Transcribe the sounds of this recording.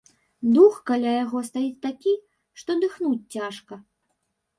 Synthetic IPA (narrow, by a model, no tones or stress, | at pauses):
d̪uxkalʲajaɣɔst̪ajit͡sʲt̪akʲi | ʂt̪ɔd̪ɨxnut͡sʲt͡sʲaʂkɐ